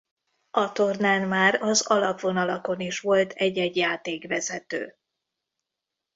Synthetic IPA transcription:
ɒt̪ornaːnmaːɾɒzɒlɒpʋo̞nɒlɒko̞niʃʋo̞lt̪ʰɛɟːɛɟjaːt̪eːɡʋɛzɛt̪ø̰ː

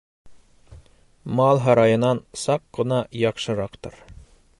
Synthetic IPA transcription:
mɑlˠɦɑɾɑjɤ̆nɑnsɑqɢɤ̆nɑjɑqʃɤ̆ɾɑqt̪ɤ̰ɾ

